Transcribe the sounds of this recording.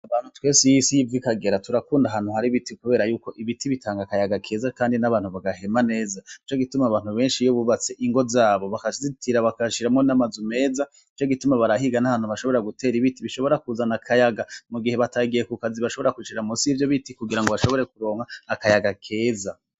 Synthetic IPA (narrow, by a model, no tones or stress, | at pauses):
aβaːn̥hutwe̞ːsijisijivikaɡe̞ɾatuɾakuːndaɦaːn̥huhaɾiβitikuβe̞ːɾajuːko̞ʔiβitiβitʰaːŋɡakajaɡakʰe̞ːzakaːndinaβaːnhuβaɡahe̞mane̞ːzait͡ʃo̞ɡitumaβaːn̥huβe̞ːnʃijoβuβat͡se̞ʔiŋɡo̞zaːβo̞βakazitʰiɾaβakaʃiɾamŋonamazume̞ːza | it͡ʃo̞ɡitumaβaɾaɦiɡanahaːnhuβaʃo̞βo̞ɾɾaɡute̞ːɾiβitiβiʃo̞βo̞ɾakuzanakʰajaɡamuɡiheβataɡijekukaziβaʃo̞βo̞ɾakuʃiɾamusivjo̞βitikuɡiɾaŋɡoβaʃo̞βo̞ɾe̞kuɾo̞ːŋhaːkajaɡakʰe̞ːza